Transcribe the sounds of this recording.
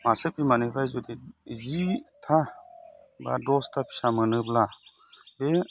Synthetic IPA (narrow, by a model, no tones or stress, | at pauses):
masepimanipʰɾajzod̪izit̪ʰa | ba̰dɔst̪ʰapʰi̥samənɯbla | be